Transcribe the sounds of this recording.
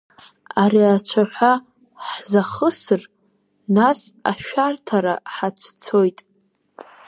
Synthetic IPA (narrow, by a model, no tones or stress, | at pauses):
aɾiat͡ɕʷʰaħʷa | ħzaχəsɨr | nasa̰ʃᶣartʰaɾaħat͡sʷʰt͡sʰo̞jtʼ